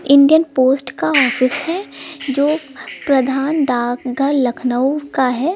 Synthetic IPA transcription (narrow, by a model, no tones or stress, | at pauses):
ɪ̃ɳɖijənpoːsʈkaɔːfɪshɛd͡ʒoːpɾɐd̪ʱaːnɖaːkɡʱəɾlɐkʰnəwkaɦɛː